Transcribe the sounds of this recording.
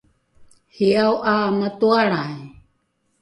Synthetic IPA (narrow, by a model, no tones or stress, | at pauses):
hiawʔamat̪uaɭaj